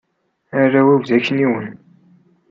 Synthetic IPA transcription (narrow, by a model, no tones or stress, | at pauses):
æɾːawivðæçːəniwən